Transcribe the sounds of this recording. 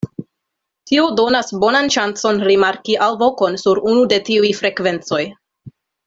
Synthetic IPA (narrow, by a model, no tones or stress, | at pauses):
tiodo̞nasbo̞nanʃant͡so̞nɾimaɾkiʔalvo̞ko̞nsuɾunude̞tiujfɾe̞kve̞nt͡so̞j